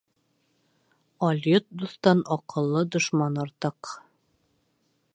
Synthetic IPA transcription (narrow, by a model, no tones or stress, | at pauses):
ɒlʲjot̪̚d̪ust̪ɑnɒqɤ̆lˠːɤd̪ŏʃmɑnɒɾt̪ɤq